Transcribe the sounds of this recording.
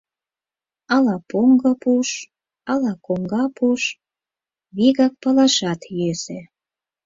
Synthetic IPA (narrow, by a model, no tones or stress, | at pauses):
ɑlɑpoŋɡɤpuʃ | ɑlɑkoŋɡɑpuʃ | βiɣɑk̚pɑlɑʃɑt̪jese